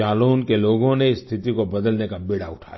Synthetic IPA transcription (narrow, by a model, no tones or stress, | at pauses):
aːloːnkeloːɡõneɪst̪ʰɪt̪ikobɐd̪əlnekabɪːɽaʊʈʰa̰ːj